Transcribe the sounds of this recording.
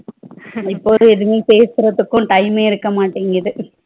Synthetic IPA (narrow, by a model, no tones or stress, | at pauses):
ɪpːoːɯɛðɯmeːpeːsɯɾɐðɯkːʊ̃ʈɐɪmeːɪɾɯkːɐmaːʈːiːŋɡɐðɯ